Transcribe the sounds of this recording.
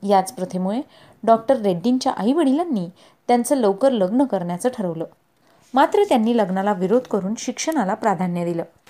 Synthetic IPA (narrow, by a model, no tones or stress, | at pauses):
jat͡spɾət̪ʰemuɭe | ɖɔk̚ʈəɾːeɖːint͡ɕjaʔəiʋəɽ̤iljanːiː | t̪jant͡səːləwkəɾləɡnəkəɾɳjat͡səːʈʰəɾəʋləː | mat̪ɾət̪janːiːləɡnalaʋiɾod̪ʱkəɾuːnɕikʂəɽ̃alapɾad̪ʱanjəd̪iləː